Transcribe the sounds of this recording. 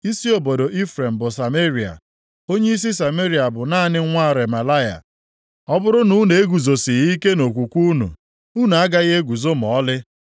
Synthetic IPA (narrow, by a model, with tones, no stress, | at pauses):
i˦si˦o˨bo˨do˨ʔi˦fɾe˨m̩˨bʊ˨sa˨me˦ɾi˨a̰˨ | o˦ɲe˦i˦s̬i˦sa˨me˦ɾi˨a˨bʊ˨naː˦˨nɪ˦ŋʷa˦˨ɾe˨ma˨la˦ja̰˨ | ɔ˦bʊ˦ɾʊ˦nu˨˦ne˨e˦ɡu˨zo˨sɪ˨ɣi˦ke˦no˨kʷu˨kʷu˦nṵ˨ | u˦nu˨a˦ɡa˦ɣe˦ɡu˨zo˦m̩˨ɔ˨˦lɪ˦